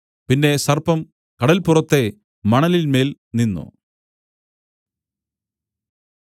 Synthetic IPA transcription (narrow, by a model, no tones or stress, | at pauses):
pinːe̞sɐrpɐm | kɐɽɐlpurɐt̪ːe̞ | mɐɳɐlilme̞ːl | ninːṵ